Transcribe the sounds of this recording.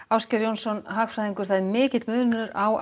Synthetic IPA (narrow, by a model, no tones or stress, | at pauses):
awscɛɾjownsɔnɦaːxfɾajðiŋkʏɾ̥θaðmɪːcɪt̪mʏːnnʏɾaw